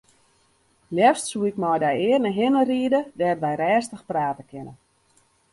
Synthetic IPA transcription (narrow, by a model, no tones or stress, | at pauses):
ljɛstsuɪkmɔjdajɪərnəɦɪnəriədədɛːrʋɛjɾɛːstəxpraːtəkɪnə